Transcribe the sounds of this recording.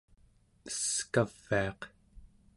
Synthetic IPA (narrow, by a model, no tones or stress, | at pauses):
əskav̥ːiɑq